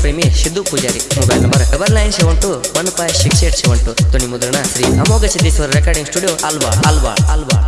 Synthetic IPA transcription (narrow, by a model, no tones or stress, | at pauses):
pɾemiʃid̪ːupud͡ʒaːɾimubɐjnɐmɐɾɐkɐbɐɾlaːjnʃeʋɐɳʈumɐnpaːjʃikʃeːʈʃeʋɐɳʈud̪onimud̪ɾɐɳasɾiːɐmoːɡɐt͡ʃʰid̪iːsʋɐɾɾekaːɾɖiŋsʈuːɖijoːʔalba̰ːɽalba̰ːɽaːlbaːɽ